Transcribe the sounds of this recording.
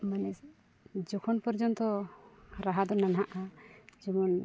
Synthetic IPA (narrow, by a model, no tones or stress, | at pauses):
manɛ | d͡ʒɔkʰɔnpɔɾd͡ʒɔnt̪ɔɾaɦad̪ɔnanaʔad͡ʒɔmɔn